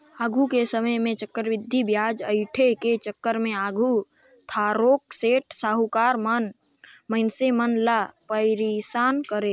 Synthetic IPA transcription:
aːɡʱukesəməjmẽt͡ʃəkːəɾʋɪd̪ʱːibjaːd͡ʒəɪʈʰeket͡ʃəkːəɾmẽaːɡʱu | t̪ʰaːɾoːk̚seːʈsaːɦukaːɾmən | məɪnsemənlapəɪɾisaːnkəɾe

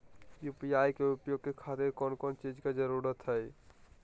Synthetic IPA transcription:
jupijajkeupjoɡ̚kekʰat̪eɾkɔnkɔnt͡ʃid͡ʒked͡ʒəɾuɾət̪ɦəj

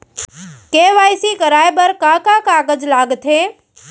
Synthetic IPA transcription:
keʋajsikəɾaːjbəɾkãkãkaːɡəd͡ʒlaːɡt̪ʰeː

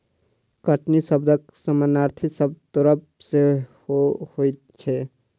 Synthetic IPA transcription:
kəʈnisəbd̪ʱəksəmənaɾt̪ʰisəb̚t̪oɾəb̚ | sehohojt̪̚t͡ʃʰɛ

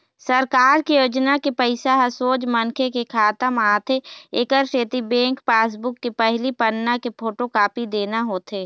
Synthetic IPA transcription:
səɾkaːɾkijoːd͡ʒnakepəɪsaɦəsoːd͡ʒmənkʰekekʰaːt̪əmaːt̪ʰeeːkəɾʃeːt̪ibẽːŋkpaːs̬bʊkːepəɦlipənːakepʰoːʈokaːpid̪eːnaɦoːt̪ʰeː

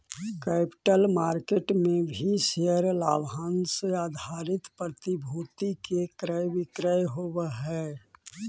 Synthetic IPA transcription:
kɛːpɪ̥ʈəlmaːɾkeʈmẽbʱiʃeəɾla̰ːbʱaːnseaːd̪ʱaːɾɪt̪pɾət̪ibʱuːt̪ikekɾəjʋɪkɾəjɦowɦɛː

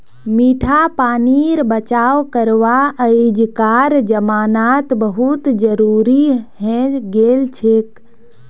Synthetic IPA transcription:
miʈʰapaniɾbət͡ʃaʋkəɾʋaəid͡ʒkaɾd͡ʒəmanat̪bəɦut̪d͡ʒəɾuɾiɦẽɡelt͡ʃʰek

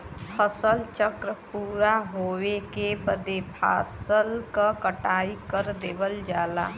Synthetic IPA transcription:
pʰəsəlt͡ʃəkɾəpuːɾaɦowekebəd̪epʰa̰ːsəlkəkəʈaːikəɾd̪eːbəld͡ʒaːla̰ː

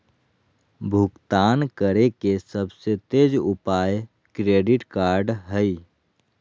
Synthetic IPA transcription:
bʱukt̪ankəɾekesəbset̪ed͡ʒupaj | kɾeɖiʈkaɾɖɦəj

